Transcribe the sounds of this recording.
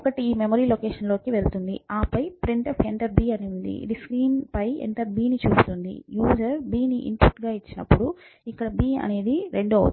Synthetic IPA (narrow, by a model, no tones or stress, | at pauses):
kɐʈiːmemoːɾiːlokeːʂɐnlo̞ːkiʋelt̪und̪ḭaːpɐjpɾiɳʈɐfʰeɳʈɐɾbiːɐnund̪ḭɾiskɾiːnpɐjḛnʈ̪ɐɾbiːnit͡ʃuːst̪und̪ḭjuːd͡ʒɐɾbiːniʔḭmpuʈːɡaːit͡ʃːinɐpːuɽu | ikːɐɽbiːɐ̰ne̞ːd̪iɾeɳɖo̰